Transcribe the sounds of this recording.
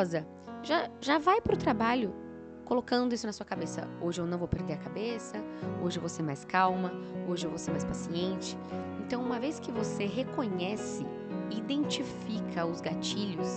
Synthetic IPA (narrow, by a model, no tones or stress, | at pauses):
zɐ | ʒaʒavajpɾʊt̪ɾabaʎʊ | kolokɐ̃nd̪ʊisʊnɐsuɐkabesɐ̰oʒɪewnɐ̃w̃vowpeɾd̪eɾɐkabesɐo̰ʒɪewvoseɾmajskawmɐoʒɪewvowseɾmajspasiẽnt͡ʃɪ̥ | ẽnt̪ɐ̃w̃ũmɐveskɪvoseɦekõɲɛsɪ | id̪ẽnt͡ʃifikʰɐʊzɡat͡ʃiʎʊs